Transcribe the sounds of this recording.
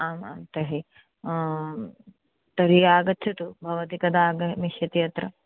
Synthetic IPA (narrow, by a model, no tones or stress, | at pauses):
aːma̰mt̪ɐɦi | t̪ɐɾijaːɡɐtːt͡ʃʰɐt̪ubʱɐʋɐt̪ikɐd̪aːɡɐmiʃjɐt̪ijɐt̪ɾɐ